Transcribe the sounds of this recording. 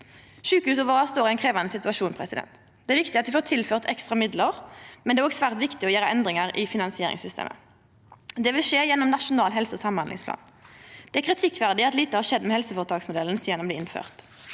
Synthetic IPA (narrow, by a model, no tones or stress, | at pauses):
ʃʉːkəʉːs̬ɔʋɑːʁɑst̪oːɾɪɛɪnkʰʁeːʋɑnəsɪt̪ʉɑʃuːnpʰʁɛsɪd̪ɛ̰nt̪ | d̪ɛːæɾʋɪkt̪ɪɑt̪̚d̪ɪfoːt̪ʰɪlføːʁt̪ɛkst̪ʁɑmɪd̪ləʁmɛnd̪ɛːɾoːɡsʋæːʁt̪ʋɪkt̪ɪɔjæːɾəɛnd̪ʁɪŋəʁɪfɪnɑnsɪeːɾɪ̰ŋsʏst̪ḛːmʔə̰ | d̪ɛʋɪlʂeːjɛnːɔmnɑʂʊnɑːlɦɛlsəsɑmmɑnd̪ɪ̰ŋspʰlɑ̰ːn | d̪̥ɛækʰʁɪt̪ʰɪkʋæʁd̪ɪɑt̪liːt̪əhɑːʂɛd̪mɛːhɛlsəfɔːʁət̪ʰɑːksmʊd̪ɛln̩siːɛnɔmb̪iːɪnfø̰ːʁt̪